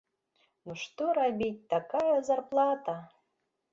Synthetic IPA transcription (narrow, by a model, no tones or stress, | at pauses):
noʂt̪oɾabʲit̚ʲt̪akajazarplˠɑt̪a